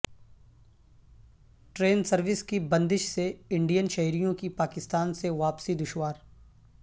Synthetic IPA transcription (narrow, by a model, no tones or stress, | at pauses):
ʈɾeːnsɐɾʋɪskibɐ̃nd̪ɪʃseɪ̃ɳɖijənʃɐɦiɾijõkipaːkɪst̪aːnseʋaːpsid̪ʊʃwaːɾ